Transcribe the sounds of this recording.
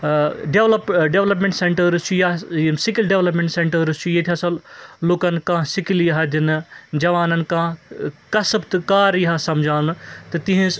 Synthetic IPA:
ɖeʋlɐpɖeʋlɐpmẽɳʈseɳʈɐɾt͡ʃʰujasɪkilɖeʋlɐp̬mẽɳʈsẽːɳʈɐɾɨt͡ʃʰujet̪ʰijaːsɐloːkɐnkãːsɪkiljɐɦad̪inɨd͡ʒɐʋaːnɐnkãːkɐsɐbt̪kaːɾjɐɦasɐmd͡ʒʱaːnt̪ɐt̪ĩɦĩs

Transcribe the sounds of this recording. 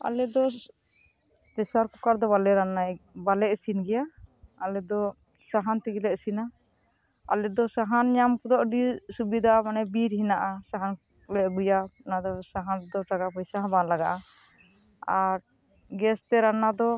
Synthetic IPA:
a̰lɛd̪ɔ | pɾɛsaɾkukaɾd̪ɔbalɛɾanabalɛʔsinɡɛjaalɛd̪ɔ | saɦant̪iɡilɛʔsina | a̰lɛd̪ɔsaɦanɲamkud̪ɔʔɖisubid̪ʱamanɛbiɾɦinaʔasaɦan | lɛʔɡujanad̪ɔsaɦand̪ɔʈaɡapɔjsaɦãbanlaɡaʔa | aɾ | ɡɛst̪ɛɾanad̪ɔ

